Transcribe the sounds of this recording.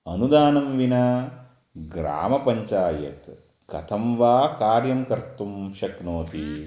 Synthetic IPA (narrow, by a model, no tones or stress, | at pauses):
ɐnud̪aːnɐmʋinɐ | ɡɾa̰ːmɐpɐɲt͡ʃaːjɐ̰t̪ | kɐ̰t̪ʰɐmʋaːkaːɾjɐmkɐɾt̪ːumʃɐknoːt̪i